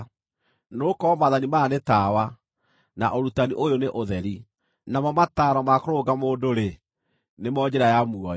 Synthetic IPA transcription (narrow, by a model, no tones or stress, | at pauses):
noːkɔmaðanimaːnetaːwa | naʔoɾutaniʔojoneʔoðɛɾi | namɔmataɾɔmakoɾoɡamoːndoɾe | nemɔd͡ʑeɾajamuɔ